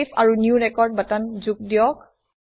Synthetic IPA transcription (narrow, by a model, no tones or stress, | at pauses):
pʰaɹunjuɹɛkɔɹd̚batanzuk̚dijɔk̚